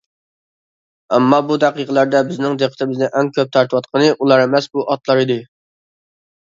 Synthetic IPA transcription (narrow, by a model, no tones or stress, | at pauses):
ɛmːɑbud̪æqiqʰəlˠæɾd̪ɛbɪznɪŋd̪eqʰət̪ʰɪmɪznɪʔɛŋkʲʰøp̚t̪ʰɑɾt̪ʰɨwɑt̪̚qʰənɨʔulˠɑɾemɛsbuʔɑt̪lˠɑɾɨd̪ɨ